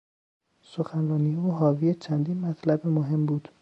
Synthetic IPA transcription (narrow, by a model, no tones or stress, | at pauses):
soxænɾɒːnijeuːɦɒːvijet͡ʃʰænd̪iːnmæt̪ʰlæbemoɦe̞mbuːd̪̥